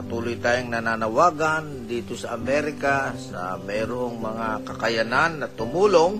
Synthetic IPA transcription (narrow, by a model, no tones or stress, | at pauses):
ɐt̪uːlʊjt̪aːjoŋnɐnanɐwaːɡand̪iːt̪osɐʔɐmɛɾɪkasa̰mɛːɾoŋmɐŋakɐkɐjananːɐt̪ʊmuːloŋ